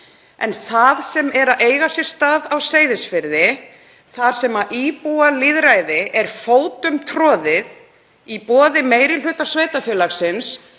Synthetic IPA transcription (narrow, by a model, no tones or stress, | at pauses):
ɛ̰nθaðsɛmɛɾaʔeːjɣasɪ̥st̪aːðawseːjðɪsfɪɾðɪ | θaðsɛmaʔipuwaliðɾajðɪʔɛɾ̥foːwt̪ʏmt̪ʰɾɔːðɪð | ipɔːðɪmeːjɾɪl̥ʏːt̪asveːjt̪afjœːlaksɪns